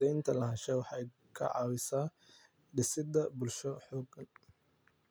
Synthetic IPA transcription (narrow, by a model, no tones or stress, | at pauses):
ɛjnt̪ʰɐlɐɦɐʃɛjwɑħɑj | kʰɐ̰ʕɑ̰ːwɪsaː | ɖɪsɪd̪ɐbʊlʃɔħɔːɡɐn